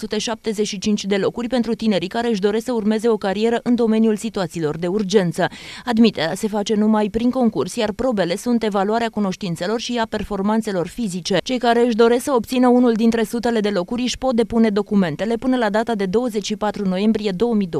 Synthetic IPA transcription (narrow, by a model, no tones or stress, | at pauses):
sut̪e̞ʃap̚t̪e̞ze̞t͡ʃʃit͡ʃint͡ʃʲd̪e̞lo̞kurʲpe̞nt̪ɾut̪ine̞ɾikaɾe̞ɨʃ̬d̪o̞ɾe̞sksəurme̞ze̞o̞kaɾie̞ɾəʔɨnd̪o̞me̞nijulsit̪uat̪siːlo̞rd̪e̞urd͡ʒe̞nt̪səad̪mit̪e̞ɾease̞fat͡ʃe̞numajpɾiŋko̞ŋkursjarpɾo̞be̞le̞sunt̪e̞valuaɾeakuno̞ʃt̪int̪se̞lo̞rʃiape̞rfo̞rmant̪se̞lo̞rfizit͡ʃe̞t͡ʃe̞jkaɾe̞ɨʃ̬d̪o̞ɾe̞sksəo̞b̚t̪sinəunuld̪int̪ɾe̞sut̪e̞le̞d̪e̞lo̞kuɾʲʃpo̞t̪̚d̪e̞pune̞d̪o̞kume̞nt̪e̞le̞pɨnəlad̪at̪ad̪e̞d̪o̞wəzet͡ʃʲʃipat̪ɾuno̞je̞mbɾije̞d̪o̞wəmid̪o